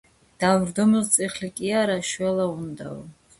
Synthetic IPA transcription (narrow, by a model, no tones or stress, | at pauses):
d̪̥avɾd̪ɔmilt̪sʼiχlikʼiaɾaʃwɛlaund̪a̰ɔ̰